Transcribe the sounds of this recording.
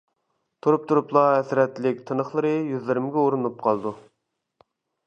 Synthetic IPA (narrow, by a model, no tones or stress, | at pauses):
t̪ʰuɾup̚t̪ʰuɾuplˠɑɛsɾɛt̪ːlɪk̚ʲt̪ʰɨnəχlˠəɾɨjyzlɪɾɪmɡʲɛoɾunup̚qʰɑlˠd̪u